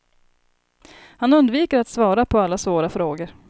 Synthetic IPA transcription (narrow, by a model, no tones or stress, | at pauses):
hanɵnd̪viːkəɾat̪svɑːɾapʰɔalːasvoːɾafɾoːɡəɾ